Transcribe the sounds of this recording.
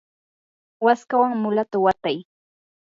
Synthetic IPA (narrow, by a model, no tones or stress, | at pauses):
waskawaŋmʊlat̪awat̪aj